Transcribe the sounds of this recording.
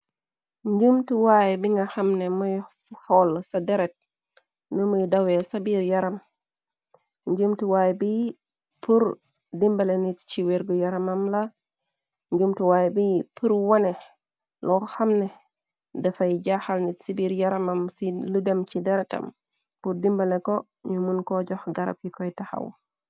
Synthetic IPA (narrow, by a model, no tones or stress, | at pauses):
ɲɟumtuwajɛbiŋɡahamnɛmɔj | hɔlsadɛɾɛt̚ | nimujdawɛsabiːɾjaɾam | ɲd͡ʒumtuwaːjbi | puɾ | dimbalenitt͡ʃiweɾɡɔjaɾamamla | ɲɟumtuwajbipʰuɾwanɛ | lɔxamnɛ | dɐfajɟaxalnitsibiːɾjaɾɐmamsiludɐmt͡ʃidɛɾɛtɐ̰m | purdimbalekɔ | ɲumunkɔɟɔxɡɐɾɐ̰pjikɔjtaxa̰w